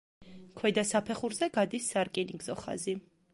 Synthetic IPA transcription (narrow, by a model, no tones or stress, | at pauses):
kʰwɛd̪asapʰɛχuɾzɛɡad̪isːaɾkʼiniŋɡzɔχa̰zi